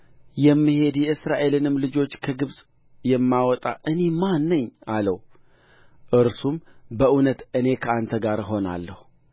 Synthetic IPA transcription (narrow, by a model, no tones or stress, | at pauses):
jɛmːihe̞d̪jɛʔɨsɾaʔe̞lɨnɨmlɨd͡ʒo̞t͡ʃːkʰəɡɨβsʼ | jɛmːawɔt̪ʼa̰ʔɨne̞manːɨɲːaləw | ʔɨɾsumbəʔunət̪ɨne̞kʰəant̪ʰəɡaɾɦo̞na̰lːəhu